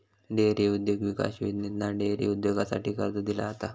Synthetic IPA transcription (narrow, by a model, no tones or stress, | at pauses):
ɖeɾeud̪joɡʋika̰ɕid̪net̪naɖeɾḛud̪joɡasa̰ʈiːkəɾd̪əd̪ila̰t̪a